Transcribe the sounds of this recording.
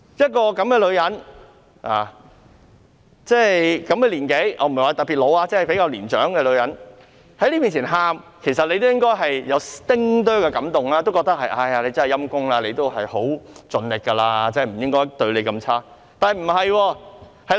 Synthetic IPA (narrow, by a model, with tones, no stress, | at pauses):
jɐ˥t̚kɔː˧kɐ˨˥mkɛː˧lɵ˨˧ɥjɐ˨˥n | ʔaː˨˩ | t͡sɛː˥˩jkɐ˨˧˥mkɛː˧liː˨˩nke˨˥jʔɔː˧m̩˨˩˨waː˨˩t̪ɐ˨k̚piː˨t̚lo˨˧waː˧t͡sɛ˥hjpe˨˥jkaː˧wliː˨˩nt͡ʃœ̰ː˨˥ŋkɛː˧lɵ˨˧ɥjɐ˨˥n | hɐ˨˥jliː˥piː˨nt͡sʰiː˨˩nɦaː˨mkʰe˨˩jsɐ˨t̚le˨˧jt̪o˥wjɪ˥ŋkɔː˥jɦɐ˨jjɐ˨˧wt̪ɪ˥ŋt̪œː˥kɛ˧kɐ˨˥mt̪ʊ˨ŋlaː˥t̪o˥wkɔ˧k̚t̪ɐ˥k̚hɐ˨jʔaː˧ja˧le˨˧t͡sɐ˥nhɐ˨˩jɐ˥mkʊ˥ŋlaː˧le˨˧jt̪o˥wɦɐ˨jho˨˥wt͡sɵ˨nlɪ˨kːɐ˧laː˧t͡sɛː˥˩m̩˨˩jɪ˥ŋkɔː˥jt̪ɵ˧ɥle˨˧jkɐ˧mt͡sʰaː˥ | t̪aː˨hɐ˨m̩˨˩ɦɐ˨jwɔː˧ | hɐ˨